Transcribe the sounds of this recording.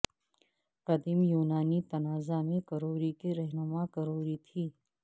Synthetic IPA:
qɐd̪ɪmjuːnaːnit̪ɐnaːzamẽkɐɾoːɾikeɾɛɦnʊmakɐɾoːɾit̪ʰiː

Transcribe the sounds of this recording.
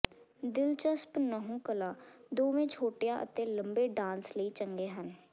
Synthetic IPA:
d̪ɪlt͡ʃəspnəɦũːkəlaːd̪oːʋẽːt͡ʃʰoːʈjaːʔə̰t̪ẽːləmbeːɖãːnsləiːt͡ʃəŋɡeːɦən

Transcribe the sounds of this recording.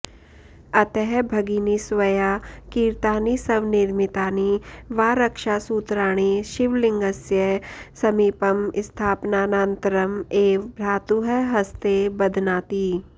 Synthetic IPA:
ɐt̪ɛɦbʱɐɡiːnisʋɐjaːkiːɾt̪aːnisɐʋnɪɾmɪt̪aːniʋaːɾɐkʃaːsuːt̪ɾaːɽ̃iʃɪʋlɪ̃ŋɡəsjəsɐmiːpəmɪst̪ʰaːpnaːnaːnt̪əɾəmeːʋbɾaːt̪uɦəɦɐst̪ebɐd̪ʱnaːt̪iː

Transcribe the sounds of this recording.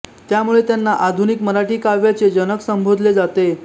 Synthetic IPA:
t̪jamuɭet̪janːaʔad̪ʱunikməɾaʈiːkaʋjat͡sed͡ʑənəksəmbʱod̪ʱled͡zat̪e

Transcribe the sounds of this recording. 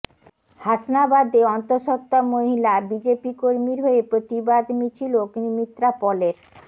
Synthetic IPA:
haʃnabad̪eɔnt̪oɾʃɔt̪ːamoɦilabid͡ʑepikoɾmiɾɦoepɾot̪ibad̪mit͡ɕʰiloknimit̪ːɾapɔleɾ

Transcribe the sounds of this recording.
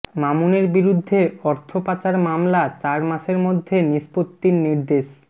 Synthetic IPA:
mamuneɾbiɾud̪ʱːeɔɾt̪ʰopat͡ɕaɾmamlat͡ɕaɾmaʃeɾmod̪ʱːeniʃpot̪ːinniɾd̪eʃ

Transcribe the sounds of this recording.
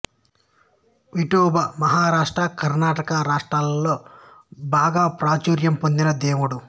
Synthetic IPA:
ʋiʈuːbɐmɐɦaːɾaːʂʈɾɐkɐɾnaːʈɐkɐɾaːʂʈɾaːlːo̞ː | baːɡaːpɾaːt͡ʃuːɾjɐmpond̪inɐd̪eːmuɽu

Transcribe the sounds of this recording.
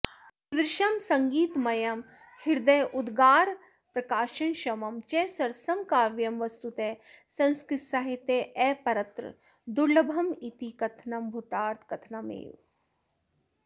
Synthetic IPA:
pɾɪʃɐmsɐŋɡiːt̪mɐjɐm | hiɾd̪ɐjʔud̪ɡaːɾ | pɾɐkaːʃɐnʃɐmɐmt͡ʃeːsɐɾsɐmkaːʋjɐmʋɐst̪ut̪eːsɐ̃nskɾɪt̪saɦit̪eːʔɛːpɐɾɐt̪ɾɨ̰ | d̪uɾlɐbʱɐmit̪ikɐt̪ʰnɐmbʱut̪aːɾt̪ʰkɐt̪ʰnɐmḛːw

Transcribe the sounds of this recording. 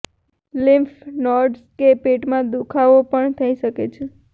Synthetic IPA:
lɪmfnɔɾɖskepeʈmãd̪ukʰaʋopəɳt̪ʰəiʃəket͡ʃʰe

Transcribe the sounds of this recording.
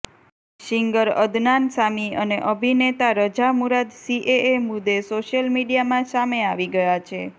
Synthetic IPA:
ʃiŋɡəɾə̰d̪nansamiəneʔəbʱinet̪aɾəd͡ʒamuɾad̪siʔeemud̪ːesoʃjəlmiɽijamãsameaʋiɡəjat͡ʃʰe

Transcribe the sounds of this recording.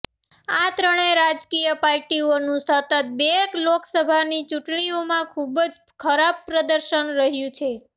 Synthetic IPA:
at̪ɾəɳeɾad͡ʒkijəpaɾʈionũsət̪ət̪̚beekloksəbʱanit͡ʃuʈɳiomãkʰubd͡ʒ | kʰəɾab̚pɾəd̪əɾʃənɾəɦjũt͡ʃʰe

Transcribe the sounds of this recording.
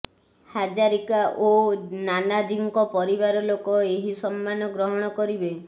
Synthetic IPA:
had͡ʒaɾikaʔonanad͡ʒiŋkɔpɔɾibaɾɔlokɔeɦisɔmːanɔɡɾɔɦɔɽ̃ɔkɔɾibe

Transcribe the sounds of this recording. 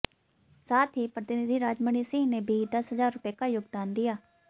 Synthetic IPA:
saːt̪ʰɦiːpɾət̪ɪnɪd̪iːɾaːd͡ʒməɳiːsɪ̃ːneːbʱiːd̪əsɦəzaːɾʊpeːkaːjʊɡd̪aːnd̪ijaː

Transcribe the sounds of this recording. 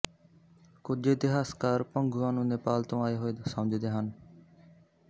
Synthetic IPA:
kʊd͡ʒeːd̪ɪɦaːskaːɾpə̃ŋɡʱuaːnũːnepaːlt̪õːaːeɦoːeːsəmd͡ʒʱid̪eːɦən

